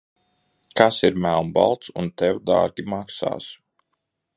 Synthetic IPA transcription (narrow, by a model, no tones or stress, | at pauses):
kasiɾmælˠmba̰lˠt̪sunt̪ɛwd̪a̰ːɾɡʲimaksa̰ːs